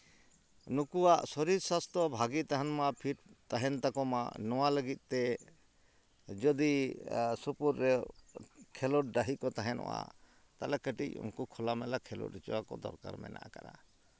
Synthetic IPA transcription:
nukuwaʔsɔɾiɾsast̪ʰɔbʱaɡit̪aɦanmapʰiʈt̪aɦɛnt̪akɔma̰nɔwaləɡit̪̚ˀt̪ɛ | d͡ʒɔd̪isupuɾːɛ | kʰɛlɔʈ̚ɖaɦikɔt̪aɦɛnʔɔ̰wa̰ | t̪alɛkəʈḭcṵŋkukʰɔlamɛlakʰɛlɔ̰ʈit͡ʃɔwakɔ̰d̪ɔ̰ɾka̰ɾmɛ̰na̰ʔa̰ka̰ɾa̰

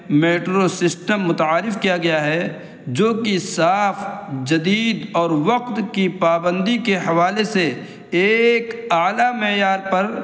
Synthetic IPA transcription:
meːʈɾosɪsʈəmːʊt̪aːɾɪfkijaɡɐjaɦɛ | d͡ʒoːkisaːfʰd͡ʒɐd̪iːd̪ɔːɾʋɐqt̪kipaːbə̃nd̪ikeɦɐʋaːleseː | kaːlamejaːɾpɐɾ

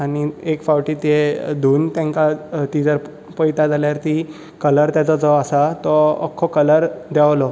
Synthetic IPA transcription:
aɽ̃iekfawʈiːt̪ed̪ʱuːnt̪jãŋkat̪id͡zəɾ | pəjt̪ad͡zʱaljaɾt̪i | kələɾt̪jat͡sɔd͡zɔasat̪ɔ̰ːkʰːɔkələɾd̪jaʋlɔ

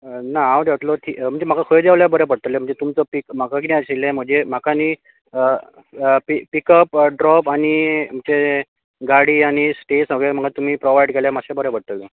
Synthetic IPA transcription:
naawd̪eʋəʈ̪lot̪ʰiːm̤əɳd͡zem̤akakʰəjd͡ʑaʋljabəɾepəɽ̚t̪əlːem̤əɳd͡ʑet̪umt͡səpikm̤akak̬inẽaɕelẽm̤ə̃d͡zem̤akani | pipikəpɖɾɔpaɽ̃imt͡ɕe | ɡaɽiːaɽ̃isʈesnaɡem̤əɡat̪um̤iːpɾoʋaiɖkeljamaɕabəɾepəɽ̚t̪əle

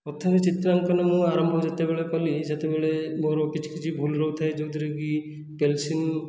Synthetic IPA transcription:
ɔt̪ʰːaɾet͡ʃit̪ɾaŋkɔnemũaɾɔmbʱɔd͡ʒet̪ebeɭekɔliset̪ebeɭemoɾɔkit͡ʃʰi̥kit͡ʃʰibʱulɾɔɦut̪ʰajd͡ʒod̪iɾeɡi | pelsin

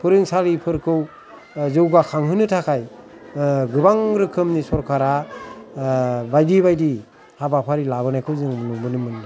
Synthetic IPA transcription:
pʰɯɾɯŋsaɾipʰɯɾkʰɯw | zɯwɡakʰaŋɦɯnɯtʰakʰaj | ɡɯbaŋɾɯkʰɯmnisɔɾkʰaɾa | bajdibajdi | habapʰaɾilabɯnajkʰɯwzɯŋmɯnubɯnɯmɯnda

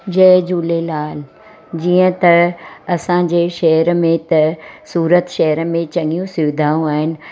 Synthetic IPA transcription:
d͡ʑɛːd͡ʑuːlelaːl | d͡ʑiːə̃t̪ɐɐsãd͡ʑeʃɐɦəɾmẽt̪ɐsuːɾət̪ʃɐɦəɾmẽt͡ɕɐ̃ŋɡijũsɪʋɪd̪ʱaːjũaːɦɪnɪ̆

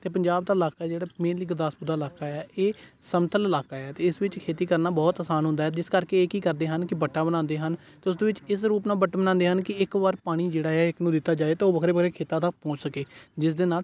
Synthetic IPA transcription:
t̪eːpəɲd͡ʒaːb̚d̪aːɪlaːkaːɛːd͡ʒeːɽaːmẽːlɪkd̪aːsbud̪aːɪlaːkaːɛːʔeːsəmt̪ʰələlaːkaːɛːt̪eːɪsʋɪt͡ʃkʰeːt̪iːkəɾnaːbɔːt̪aːsaːnɦʊ̃nd̪aɦɛːd͡ʒɪskəɾkeːeːkiːkəɾd̪eːɦənkɪbəʈːaːbəɽ̃ãːnd̪eːɦən | t̪eːʊs̬d̪oːʋɪt͡ʃɪs̬ɾuːpnaːbəʈːbəñãːnd̪eːɦənkɪɪkʋaːɾpaːɽ̃iːd͡ʒeːɽaːɛːɪknũːd̪ɪt̪ːaːd͡ʒaːeːt̪eːoːbəkʰɾeːbəkʰɾeːkʰeːt̪ãːt̪ək̚pɔ̃ːt͡ʃsəkeːd͡ʒɪs̬d̪eːnaːl

